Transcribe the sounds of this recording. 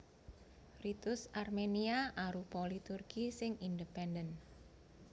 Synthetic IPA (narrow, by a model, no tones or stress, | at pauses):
rit̪ʊsarmeniaʔaɾupɔlit̪urɡ̥isɪŋindəpɛndən